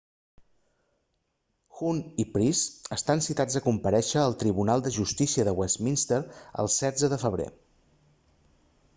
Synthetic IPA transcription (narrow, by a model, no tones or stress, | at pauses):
xunipɾisəst̪ansit̪ad͡zəkumpəɾɛʃəːlˠt̪ɾiβunalˠd̪əʒust̪isiəðəwɛsminst̪əɾə̰lˠsɛd͡zəðəfəβ̞ɾḛ